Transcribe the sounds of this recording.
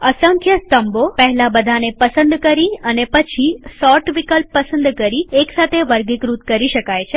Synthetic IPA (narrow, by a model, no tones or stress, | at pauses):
əsə̃ŋkʰjəst̪əmbopəɦɛlabəd̪ʱanepəsənd̪kəɾiənepət͡ʃʰisɔʈʋikəlpːəsənd̪kəɾieksat̪ʰeʋəɾɡikɾut̪kəɾiʃəkajt͡ʃʰe